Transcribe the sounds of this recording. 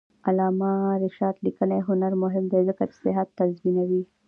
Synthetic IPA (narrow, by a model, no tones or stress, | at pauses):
alɑːmaɾɪʃɑːd̪likəneɦʊnaɾmʊɦɪmd̪ezəkatsɪɦat̪ːazminawi